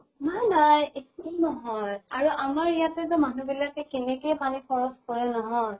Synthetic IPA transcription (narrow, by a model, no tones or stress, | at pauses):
nanajekunɔɦɔjaɹuʔamaɹijatɛt̬ʊmanubilakɛkɛnɛkujpanipʰɔɹɔskɔɹɛnɔɦɔj